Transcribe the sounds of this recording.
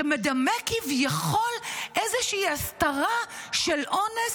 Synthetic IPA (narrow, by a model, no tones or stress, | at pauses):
medamekivjaχo̞lʔezeʃiːast̪aʁaʃelʔo̞ne